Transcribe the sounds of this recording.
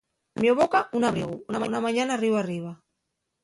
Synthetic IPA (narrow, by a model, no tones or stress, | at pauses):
mjoβokaʔunaβɾḭɣuunamanamaɲanariβariβ̞a